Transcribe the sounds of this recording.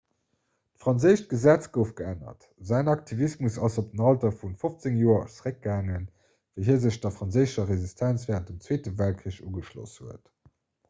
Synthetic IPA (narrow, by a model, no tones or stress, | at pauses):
tfʁɑnzəɪʃt̚ɡ̥əzæt͡sɡ̥əʊfɡ̥əænɐ̰t | zæɪnɑk̚tʰivismusɑsop̚dənɑltɐfunfoft͡səŋjoːɐt͡sʁək̚ɡaːŋən | vəɪɦiːɐzəɕdɐfʁ̥ɑnzəɪzʃɐʁezistʰænt͡sv̥ɛːʁəntdəmt͡sweːtəvælt̚kʁiəɕṵːɡəʃlo̰shuət